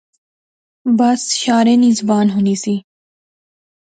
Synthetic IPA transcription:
bɐsʃaːɾẽːnɪzbaːnɦʊniːsiː

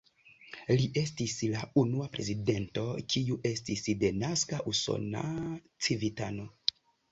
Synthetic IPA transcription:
liʔe̞stislaunuapɾe̞zide̞nto̞kiuʔe̞stisde̞naskaʔuso̞̰na̰ | t͡sivitano̞

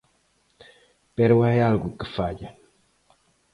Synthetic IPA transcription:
pɛɾwajalɡukəfad͡ʒə

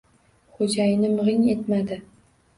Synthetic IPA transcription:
χod͡ʒajɪnɪmɨʁɪŋe̞t̪mad̪ɪ

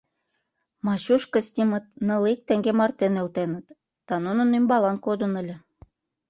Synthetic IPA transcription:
mɑɕuʃkɤ̆sʲt̪ʲimə̆t̪̚nɤ̆lik̚t̪ĕŋɡemɑrt̪enelt̪enə̆t̪ː | ɑnunə̆nymbɑlɑnkod̪ə̆nə̆lʲə̆

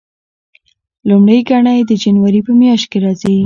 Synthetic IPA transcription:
lumɽəjɡaɳajd̪əd͡ʒanwaɾipəmjɑʃt̪̚keɾɑzi

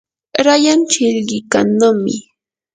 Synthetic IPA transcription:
ɾajant͡ʃɪʎɢɪkanːamɪ

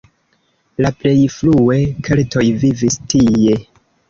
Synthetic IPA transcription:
laple̞jflue̞kʰeltʰo̞jvivistie̞

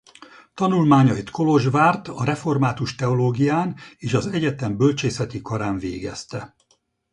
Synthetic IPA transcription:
t̪ɒnulmaːɲɒit̪ko̞lo̞ʒvaːrt̪ɒɾɛfo̞rmaːt̪uʃt̪ɛo̞loːɡijaːneːʃɒzɛɟɛt̪ɛmbølt͡ʃeːsɛt̪ikɒɾaːɱvḛːɡɛ̰st̪ɛ

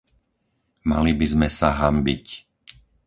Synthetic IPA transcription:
malibizmɛsaɦambḭc

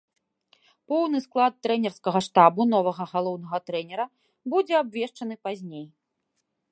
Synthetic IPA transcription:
pɔwnɨsklˠat̪ːɾɛnʲɛrskɐɣɐʂt̪abunɔvɐɣɐɣalˠɔwn̪ɐɣɐt̪ɾɛnʲɛɾɐ | bud͡zʲɛabvʲɛʂt͡ʂɐn̪ɨpazʲnʲej

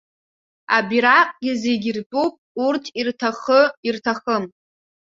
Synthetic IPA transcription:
a̰biɾaqʼɡʲɪzeɡʲirt͡pʼupʼurtʰirtʰaχəirtʰaχəm

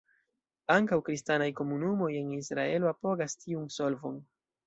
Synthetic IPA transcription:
aŋkawkɾistanajko̞munumo̞je̞nisɾae̞loapo̞ɡastʰiunso̞lvo̞̰n

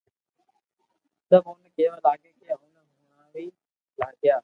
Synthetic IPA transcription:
t̪əbɦʊnkeːʋəlaːkeːkʰeːɦʊnɦʊnaːʋiː | laːɡɪjaː

